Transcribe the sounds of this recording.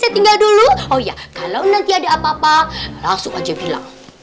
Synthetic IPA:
sajat̪iŋɡalduluojakalawnant̪iadaapaːpalasʊkad͡ʒabila̰ŋ

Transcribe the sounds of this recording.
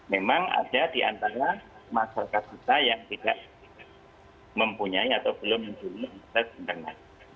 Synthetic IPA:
memaŋa̰dadiʔa̰nt̪aɾamaʃaɾakat̪̚kit̪ajaŋt̪idaʔ̚ | məmpuɲaiat̪awbəlʊmːəɲd͡ʒuliit̪abənt̪əŋa̰n

